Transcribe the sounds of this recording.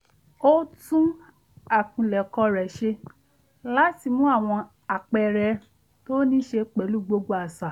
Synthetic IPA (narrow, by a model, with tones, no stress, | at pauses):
o˦tũ˦ | a˨kũ˨lɛ˨kɔ˧ɾɛ˨ʃe˧ | la˦ti˦˨mũ˨˦a˦˨w̃ɔ̃˧ | a˨k͡pɛ˧˨ɾɛ˧ | to˦nĩ˦ʃe˧k͡pɛ˨˦lu˦ɡ͡bo˧ɡ͡bo˧a˨sa˨